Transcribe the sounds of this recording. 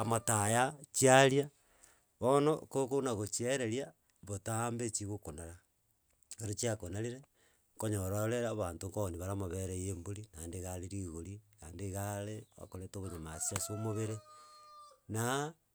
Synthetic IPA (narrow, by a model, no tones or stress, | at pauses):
amatajat͡ʃiaɾia | βonokokonaɣot͡ʃieɾeɾja | βotambet͡ʃiɣokonaɾa | ɣeɾot͡ʃiakonaliɾe | ŋkoɲoɾaoɾeɾaβantoŋkooniβaɾamaβeɾejemboɾinandeɣaleɾiɣoɾikandeɣaleβa̰koɾetoβoɲamasiasomoβeɾe | na